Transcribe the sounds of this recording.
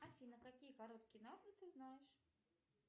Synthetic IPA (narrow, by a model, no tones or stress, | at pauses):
afʲinəkakʲijəkaɾot̪kʲɪjənarnɨt̪ɨznajɪʂ